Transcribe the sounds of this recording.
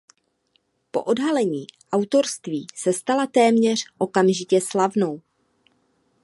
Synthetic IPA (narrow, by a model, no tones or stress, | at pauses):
po̞̰ʔo̞dɦalɛɲiːʔawt̪o̞ɾst̪viːsɛst̪alat̪ɛːmɲɛr̝̥ʔo̞kamʒɪcɛslavno̞w